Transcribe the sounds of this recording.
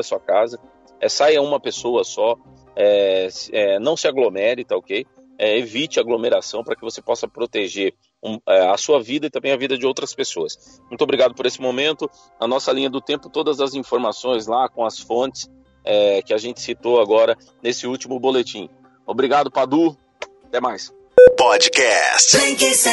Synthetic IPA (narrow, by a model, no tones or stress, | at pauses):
ɐsuɐkazɐ | ɛsajɐũmɐpesoɐsɔ | ɛsɛnɐ̃w̃sɪaɡlomɛɾɪt̪aokej | ɛevit͡ʃɪɐaɡlomeɾasɐ̃w̃pɾɐkɪvosepɔsɐpɾot̪eʒeɾ | uɛɐsuɐvid̪ɐit̪ɐ̃bẽj̃ɐvid̪ɐd͡ʒɪowt̪ɾɐspesoɐs | mũt̪ʊobɾiɡad̪ʊpoɾesɪmomẽnt̪ʊ | nɐnɔsɐlĩɲɐd̪ʊt̪ẽpʊ̥t̪od̪ɐzɐzĩfoɾmasõj̃zlakõɐsfõt͡ʃɪ̥s | ɛkɪaʒẽnt͡ʃɪ̥sit̪oaɡɔɾɐ | nesɪut͡ʃimʊbolet͡ʃĩ | obɾiɡad̪ʊpad̪u | at̪ɛmajs | pɔd͡ʒkɛst͡ʃki